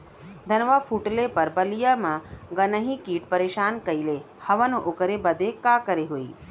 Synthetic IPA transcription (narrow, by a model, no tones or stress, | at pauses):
d̪ʱənʋafuʈlepəɾbəlijamãɡənəɦikiːʈpəɾeːʃaːnkəile | həʋənoʔokəɾebəd̪ʱekakəɾeɦoḭ